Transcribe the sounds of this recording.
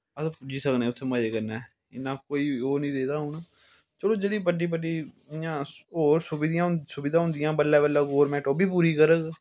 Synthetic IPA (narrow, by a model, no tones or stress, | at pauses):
əspʊd͡ʒiːsəknẽːʊt̪ʰːeːməd͡ʒeːkəɾnɛː | ɪ̰nãːkoːiːoːnĩːd̪eːd̪aːɦʊːnaː | t͡ʃəɽõːd͡ʒeːɽiːpəɖiːpəɖiː | jãːoːɾsʊbid̪ɪjãːsʊbɪːd̪ãːɦʊ̃nd̪ɪjãːbəlːɛːbələɡoːɾmɛːʈoːbiːpuːɾiːkəɾəɡ